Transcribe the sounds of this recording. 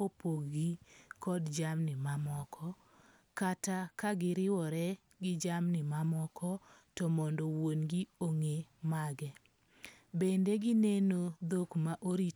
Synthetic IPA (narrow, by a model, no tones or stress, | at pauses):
opoɡɡikɔdd͡ʒamnɪmamɔkʰɔ | katakaɡɪɾɪwɔɾɛ | ɡɪd͡ʒamnɪmamɔkʰɔ | tɔmɔndɔwonɡioŋemaɡɛ | bendeɡɪnenod̪okmaʔoɾi